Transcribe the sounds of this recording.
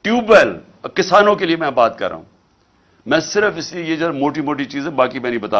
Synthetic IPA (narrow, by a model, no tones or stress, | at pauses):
ʈjuːbɛːl | kɪsaːnõkeliemɛ̃ːbaːt̪kɐ̰ɾːa̰ːṵ̃ː | mɛ̃ːsɪɾəfɪsliejed͡ʒɐɾmoːʈimoːʈ̬it͡ʃiːzɛ̃baːkimɛ̃nɐĩbət̪a̰ː